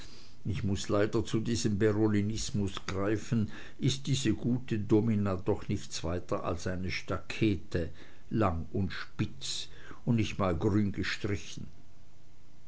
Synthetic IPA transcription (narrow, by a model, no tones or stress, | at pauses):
ɪçmʊslaɪdɐt͡sudiːzəmbɛʁolinɪsmʊsɡ̥ʁaɪfn̩ | ʔɪst̚d̥iːzəɡ̥uːtədominaːdɔχnɪçtt͡sv̥aɪtɐʔa̰lsʔaɪnəʃtakʰɛːtə | laŋʊntʃpɪt͡s | ʊndnɪçtmaːlɡʁyːnɡ̥əʃtʁ̥ɪçn̩